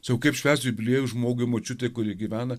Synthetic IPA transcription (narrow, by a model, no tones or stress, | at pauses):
sʲɐʊkɐɪpʃʲʋʲæːsʲt̪ʲʊbʲɪlʲeːjʊʒmoːɡʊɪmot͡ʃʲʊt̪ʲejkʊɾʲiɛɡʲiʋʲæːnɐ